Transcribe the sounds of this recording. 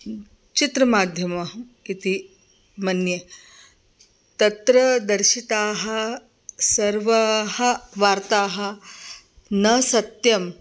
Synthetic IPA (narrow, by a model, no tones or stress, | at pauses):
t͡ɕit̪ɾɐmaːd̪ʱjɐmɐkit̪i | mɐnje | t̪ɐt̪ɾɐd̪ɐɾʃit̪aːɦɐ̆ | sɐɾʋɐɦɐʋaːɾt̪aːɦɐ̆ | nɐsɐt̪jɐm